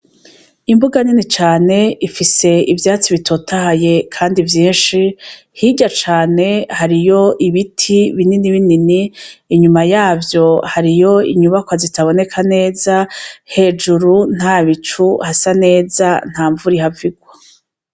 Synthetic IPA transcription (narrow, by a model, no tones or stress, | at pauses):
imbuɡaninit͡ʃaːne̞ifise̞ivjaːt͡siβitʰo̞tʰahaje̞kʰaːndivjiːnʃi | hiɟat͡ʃaːne̞haɾijo̞ʔiβitʰiβininiβininiːɲumajaːvjo̞haɾijo̞ḭɲuβakwazitaβo̞ne̞kʰane̞ːzahe̞ːd͡ʒuɾun̥haːβit͡ʃuhasane̞ːzan̥haːɱvuɾihaviɡwa